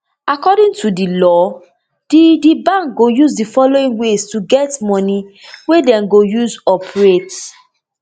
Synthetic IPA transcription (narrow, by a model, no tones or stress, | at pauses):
akɔdĩŋtʰudilɔ | d̥idibãŋk̚ɡojuzdifɔloĩŋwestuɡɛtmɔ̃niwedɛ̃nɡojuzɔpɹet